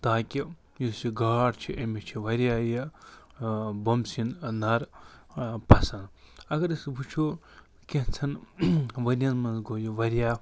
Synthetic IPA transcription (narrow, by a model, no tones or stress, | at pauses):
t̪aːkʲi | jusiɡaːɽt͡ʃʰiʔemit͡ʃʰiʋɐɾjaːji | bɐmsinnɐɾ | pɐsɐnɐɡɐɾisbʱut͡ʃʰoː | kʲeɦt͡sʰɐnʋɐɾʲjɐnmɐnzɡojuʋɐɾʲjaː